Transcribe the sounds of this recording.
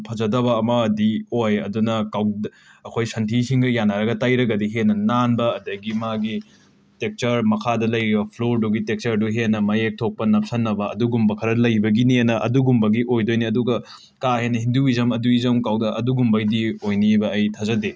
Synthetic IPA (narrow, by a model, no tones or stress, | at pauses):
pʰɐzɐdɐβɐːmɐːdiojɐ̰dunɐkaw | ɐkʰojsɐntʰisiŋɡɐjanːaɾɐɡɐtajɾɐɡɐdiɦenːɐnanbɐːdɐɡimaɡi | tek̚t͡ʃɐɾmɐkʰadɐlɐjɾibɐpʰloɾduɡitek̚t͡ʃɐɾduɦenːɐmɐjek̚tʰok̚pɐnɐp̚sɐnːɐbɐɐ̰duɡumbɐkʰɐɾɐlɐjbɐɡinienɐʔɐ̰duɡumbɐɡiʔojdojniɐduɡɐ | kaɦenːɐhinduizɐmɐduizɐmkawdɐʔɐduɡumbɐdiojnibɐɐjtʰazɐde